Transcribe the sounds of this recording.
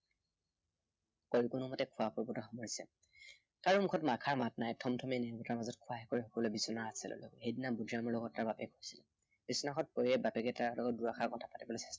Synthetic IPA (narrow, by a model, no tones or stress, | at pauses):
koɹikunumɔtɛkʰʊapɔɹbɔtɔxɔmɔɹisɛ̰ | kaɹumukʰɔtmakʰaɹmatnajtʰɔmtʰɔminɛɹbɔtaɹmazɔtkʰʊwaɦɛkoɹixɔkɔlojbisɔnaasɛ̰lʔɔ̰lɔ̰kɦejdinabudʱɹamɔɹlɔɡɔtaɹbapɛɡojsilɛ | b̥isɔnaxʰɔt̚pojɛbapɛɡɛtaɹlɔɡɔt̚duɹaxʰaɹkɔtʰapatibɔlojsɛ̥stɔ